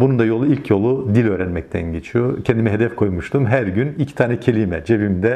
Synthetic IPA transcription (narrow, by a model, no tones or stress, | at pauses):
bunund̪ajo̞lˠuilʲcʰjo̞lˠud̪ilʲø̞ːɾɛnmɛc̚t̪ʰæ̰nɟet͡ʃʰijocʰɛnd̪imɛɦe̞d̪ɛfkʰo̞jmuʃt̪ʰumɦæɾɟynilʲcʰi̥t̪ʰaːnɛcʰelʲimɛd͡ʒevimd̪ɛ